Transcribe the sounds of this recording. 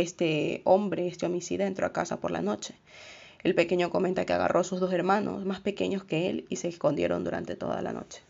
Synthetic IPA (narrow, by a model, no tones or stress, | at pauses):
est̪eo̞mbɾeest̪eo̞misḭðeaent̪ɾoakasapo̞ɾla̰no̞t͡ʃe̞̥ | elpe̞ke̞ɲoko̞ment̪akea̰ɣa̰rʔo̞suzðo̞s̬e̞ɾmanʔo̞̰smaspe̞ke̞̰ɲo̞ske̞elise̞ːsko̞nd̪je̞̰ɾo̞nd̪uɾa̰nt̪e̞t̪o̞̰ða̰la̰no̞̰t͡ʃe̥